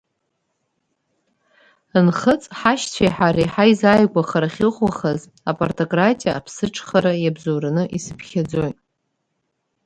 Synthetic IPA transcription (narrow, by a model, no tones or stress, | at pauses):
ɨnχət͡sʼħaʃt͡sʷʰajħaɾiħajzajɡʷaχaɾaχʲɪʁwaχaz | apʼortʰʼokʼratʼijaːpʰsɨʈ͡ʂʰʼχaɾajabzowɾanɨʔisɨpʰχʲʰad͡zojtʼ